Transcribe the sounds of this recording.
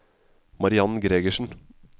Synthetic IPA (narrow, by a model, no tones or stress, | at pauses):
mɑɾɪɑnɡɾeːɡəʃn̩